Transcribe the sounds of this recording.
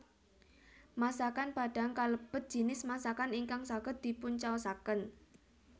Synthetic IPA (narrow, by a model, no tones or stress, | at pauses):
masakanb̥a̤ɖ̥a̤ŋkaləb̥ət̪̚ʒ̥i̤nɪsmasakaniŋkaŋsaɡ̥ə̤d̪̥i̤pʊnt͡ʃaəsakən